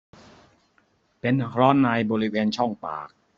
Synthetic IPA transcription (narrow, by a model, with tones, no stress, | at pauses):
pe˧nɾɔː˦˥nːaː˧jbɔː˧ɾi˦˥weː˧nt͡ɕʰɔ˥˩ŋpa̰ː˨˩k̚